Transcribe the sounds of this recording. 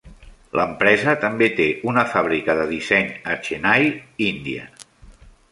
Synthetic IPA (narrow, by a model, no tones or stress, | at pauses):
lʔəmpɾɛzət̪əmbet̪eunəfaβ̞ɾikəðəðisɛɲət͡ʃenajind̪iə̰